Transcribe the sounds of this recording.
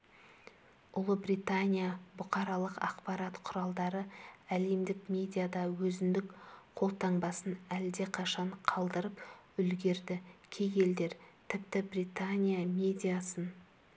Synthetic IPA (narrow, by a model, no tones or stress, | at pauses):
ʊlˠəbrit̪anʲijabʊqɑɾɑlˠəqɑ̰qpɑɾat̪qʰʊɾɑlˠd̪ɑɾəæle̞md̪ɪkmʲe̞d̪ʲijad̪ɑwɵzɪnd̪ɪkqʰo̞lˠt̪ʰɑɴbɑsənæld̪e̞qʰɑʃɑɴqʰɑlˠd̪əɾəp | ʏlɡʲe̞ɾd̪ɪkʲʰe̞ɡe̞ld̪e̞ɾt̪ʰɪp̚t̪ɪbrijt̪anʲijamʲe̞d̪ʲijasən